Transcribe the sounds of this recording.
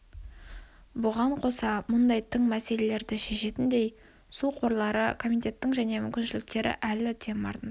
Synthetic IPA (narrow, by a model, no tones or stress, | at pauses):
bʊʁɑɴqʰo̞sɑmʊnd̪ɑjt̪ʰɪŋmæse̞le̞le̞ɾd̪ɪʃe̞ʃe̞t̪ɪnd̪e̞j | suqʰo̞ɾlˠɑɾə̰kʰo̞mijt̪ʲe̞t̪ːɪŋʒæne̞mʏmkʲɪnʃɪlɪk̚t̪e̞ɾɪ̰ʔælɪt̪ʰenmɑ̰ɾt̪ən